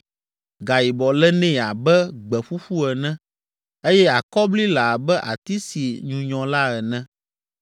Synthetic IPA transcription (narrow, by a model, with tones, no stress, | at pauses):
ɡa˨ji˨bɔ˨lɛ˦nɛ̃˦˨a˨bɛ˦ɡ͡bɛ˨ɸu˦ɸu˦ɛ˨nɛ̃˦ | e˦jɛ˦a˨kɔ˦bli˦la˨bɛ˦ʔa̰˨t̪i˦si˨ɲũ˨ɲɔ̃˨la˦ɛ˨nɛ̃˦